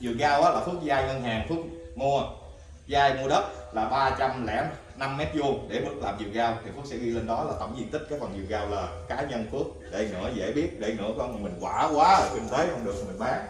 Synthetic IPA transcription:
zɨ˨˩əɣaː˧wʔaː˨˦laː˨˩fu˦˥ək̚zaː˧jŋəː˧nɦaː˨˩ŋfu˦˥ək̚ŋu˧ə | zaː˧jŋu˧ɗə˦˥t̚laː˨˩ɓaː˧t͡ɕa˧mlɛ̰˧˩ | na˧mːɛ˦˥t̚zu˧əɗe˧˩vɨ˦˥t̚laː˨˩mzɨ˨˩ək̚ɣaː˧wt̪ʰi˨˩fu˦˥əksɛ˧˥ɣi˧le˧nɗɔ˨˦laː˨˩t̪ə˧˩wŋ͡mzi˧ənï˦˥k̟̚aː˨˦˥jfə˨˩nzɨ̰˨˩əɣaː˧wlaː˨˩kaː˨˦ɲə˧nfɨ˦˥ək̚ɗe˧˩ŋɨ̰˧˩˥əzḛ˧˩ɓi˦˥ət̚ɗe˧˩ŋɨ̰˧˥əkɔ˧nmə˨˩jmï˨˩ŋ̟kwaː˧˩kwaː˨˦kwi˨˧˩ŋt̪e˨˦kɔ˧ŋ͡mɗɨ˨˩əkmï˨˩ŋ̟maː˨˦ŋ

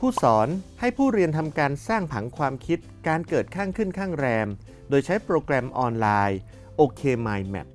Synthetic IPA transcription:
pʰuː˥˩sɔː˩˦nha˥˩jpʰuː˥˩ɾi˧ənt̪ʰa˧mkaː˧nsaː˥˩ŋpʰa̰˩˦ŋkʰwaː˧mkʰi˦˥t̪̚kaː˧nkɤː˨˩t̪̚kʰaː˥˩ŋkʰɯ˥˩nkʰaː˥˩ŋɾɛː˧m | doː˧jt͡ɕʰa˦˥jpɾoː˧kɾɛ˧mʔɔː˧nlaː˧j | ʔoː˧kʰeː˧maː˧jmɛ̰˦˩p̚

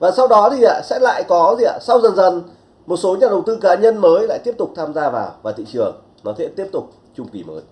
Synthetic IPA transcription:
vaː˨˩sa˧wɗɔ˨˦t̪ʰi˨˩ʔa̰ː˧˦sɛ̰˧˥la̰ː˧˨jkɔ˨˦zi˨˩ʔa̰ː˨˩sa˧wzə˨˩nzə˨˩n | mo˨˩t̚so˨˦ɲaː˨˩ɗə˨˩wt̪ɨ˧kaː˨˦ɲə˧nməː˨˦jla̰ː˧˨jt̪i˦˥əp̚t̪ʊ˨˩k͡p̚t̪ʰːmzaː˧vaː˨˩wvaː˨˩t̪ḭ˧˨t͡ɕɨ˨˩əŋ | nɔ˨˦t̪ʰḛ˧˦˥t̪i˦˥əp̚t̪ʊ˨˩k͡p̚ | t͡ɕʊ˧ŋ͡mki˨˩mə̰ː˨˦j

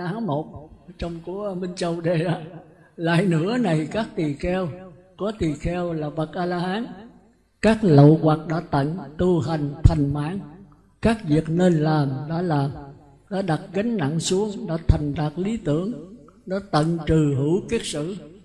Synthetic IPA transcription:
aː˨˦nmo˨˩t̚t͡ɕɔ˧wŋ͡mku˧˦mi˧ŋ̟t͡ɕə˧˩wɗe˨˩ɗaː˨˧˦ | la̰ː˧˨jnɨ̰˧˥əna˨˩jkaː˦˥k̚t̪i˨˩xɛ˧w | kɔ˨˦t̪i˨˩xɛ˧wlaː˨˩və˨˩k̚ʔaː˧laː˧haː˨˦n | kaː˦˥k̚lə̰˧˨wɣwa˨˩k̚ɗa̰ː˧˥t̪ə̰˧˨nt̪u˧ɦa˨˩jŋ̟t̪ʰa˨˩jŋ̟ma̰ː˧˥ŋ | kaː˦˥k̚vi˨˩ək̚ne˧nlaː˨˩mɗa̰ː˧˥laː˨˩m | ɗa̰ː˧˥ɗa˨˩t̚ɣa˨˦ŋna̰˧˨ŋsu˨˦əŋɗa̰ː˧˥t̪ʰa˨˩jŋ̟ɗa˨˩t̚li˨˦t̪ɨ˧˩əŋ | ɗa̰ː˧˥t̪ə̰˧˨nt͡ɕɨ˨˩ɦɨ˧˩˦wki˦˥ət̚sɨ̰˧˨

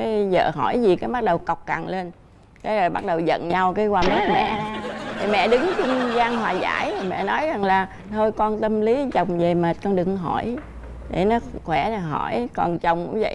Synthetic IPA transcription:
kaː˨˦jzə̰ː˧˨ɦɔ˧˩jzi˨˩kaː˨˦jɓa˦˥ɗə˨˩wka˨˩wk͡p̚ka˨˩ŋle˧n | kaː˨˦jzo˨˩jɓa˦˥t̚ɗə˨˩wzə̰˧˨nɲa˧wkaː˨˦jkwaː˧m˦˥t̚mɛ̰˧˨t̪ʰi˨˩mɛ̰˧˨ɗɨ˨˦ŋt͡ɕʊ˧ŋ͡mzaː˧ŋɦwaː˨˩za̰ː˧˩jmɛ̰˧˨nɔ˨˦jza˨˩ŋlaː˨˩ | t̪ʰo˧jkɔ˧nt̪ə˧mli˨˦zə˨˩wŋ͡mze˨˩meː˨˩t̚kɔ˧nɗɨ˨˩ŋɦɔ˧˩j | ɗe˧˩nɔ˨˦xwɛ˧˩n˨˩ɦɔ˧˩jkɔ˨˩nt͡ɕə˨˩wŋ͡mʔʊ̰˧˦ŋ͡mzə̰˧˨j

